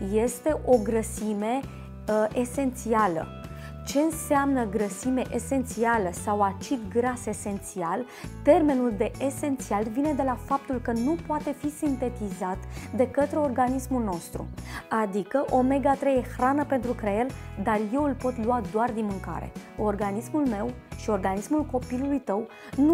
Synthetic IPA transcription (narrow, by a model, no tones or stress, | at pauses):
je̞st̪e̞ʔo̞ɡɾəsime̞ | ʔese̞nt̪sialə̰ | t͡ʃe̞ɨnseamnəɡɾəsime̞ʔese̞nt̪sialəsawat͡ʃipɡɾase̞se̞nt̪sial | t̪e̞rmenuld̪e̞ʔːse̞nt̪sialvine̞d̪e̞lafap̚t̪ulkənupoat̪e̞fisint̪e̞t̪izat̪d̪e̞kət̪ɾe̞o̞rɡanismulno̞st̪ɾṵad̪ikəʔo̞me̞ɡat̪ɾejexɾanəpe̞nt̪ɾukɾeeld̪arje̞wɨlpo̞t̪luad̪oard̪inmɨŋka̰ɾe̞̰o̞rɡanismulme̞wʃio̞rɡanismulko̞pilulujt̪əw | nu